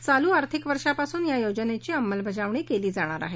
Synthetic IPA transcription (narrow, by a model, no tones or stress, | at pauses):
t͡saluːaɾt̪ʰikʋəɾʂapasuːnjajod͡ʑənet͡ɕiːəmːəlbəd͡zaʋɳekeliːd͡zaɽ̃aɾa̰ɦe